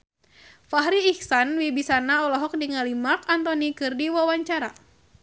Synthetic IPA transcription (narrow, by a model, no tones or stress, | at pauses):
faɦɾiːksanwibisanaɔlɔɦɔk̚diŋalimakant̪ɔnikɨrdiwawaɲt͡ʃaɾa